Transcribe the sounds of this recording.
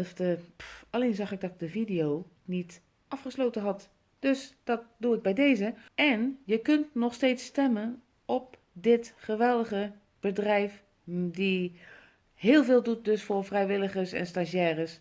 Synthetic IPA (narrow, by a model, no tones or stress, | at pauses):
ftəaleːnzɑxɪɡ̚dɔk̚dəvidejoː | nit | ʔɑfχəsloːtənɦɔt | d̥øsd̥ɔt̚d̥uɪɡ̚bɛjdeːzəɛnjəkøntnɔxsteːtsːtɛmən | ɔp̚ | dɪtχəʋɛlˠdəɣə | b̥ədrɛjf | di | hɪːlˠvɪːlˠdut̚døsfʊrfrɛjʋɪləɣəsɛ̰nstaʃjɛːrəs